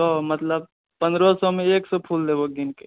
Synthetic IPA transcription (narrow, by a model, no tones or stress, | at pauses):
ɔmət̪ləb̚ | pənd̪ɾɔsɔmeeksɔpʰuld̪eboɡ̪inke̥